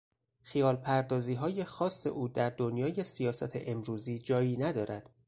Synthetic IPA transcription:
xijɒːlpʰæɾd̪ɒːziːɦɒːje̞xɒːsːe̞̰ʔuːd̪æɾd̪o̞njɒːje̞sijɒːsæt̪ʰḛʔemɾuːziːd͡ʒɒːjiːnæd̪ɒːɾʔæd̪̥

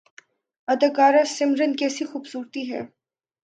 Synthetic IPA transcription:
ɐd̪ɐɡaːɾasɪmɾənkɛːsixuːbsuːɾt̪iɦɛ̰ː

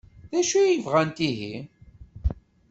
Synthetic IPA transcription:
ðæʃujəvʁænt̪iɦi

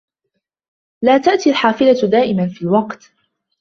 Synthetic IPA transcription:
laːt̪aʔt̪ialħaːfɪlad̪aːʔɪmanfiːlwɑqt̪

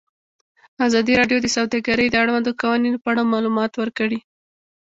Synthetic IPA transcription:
azɑd̪iɾɑɖjod̪əsawd̪ɑɡaɾəjd̪əaɽwand̪okawaninopəaɽamɑlumɑt̪wəɾkəɽi

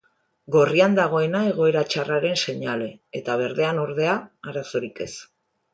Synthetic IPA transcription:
ɡo̞riand̪aɣ̞o̞e̞nae̞ɣ̞o̞e̞ɾat͡ʃaraɾe̞nse̞ɲale̞ːt̪aβ̞e̞ɾðe̞ano̞ɾðe̞aːɾaso̞ɾike̞s

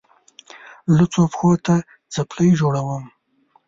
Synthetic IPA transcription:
lət͡sopxot̪a | t͡sapləjd͡ʒoɽawəm

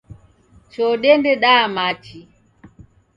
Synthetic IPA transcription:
t͡ʃɔɗɛndɛɗamat͡ʃi

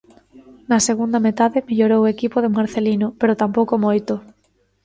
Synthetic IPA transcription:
nɐseɣund̪amet̪aðemeʎoɾowekipoðemaɾθelinopeɾot̪ampowkomojt̪ʊ

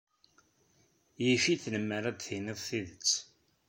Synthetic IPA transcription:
jifiθnəmːəɾæd̪θiniðˤθiðət͡sː

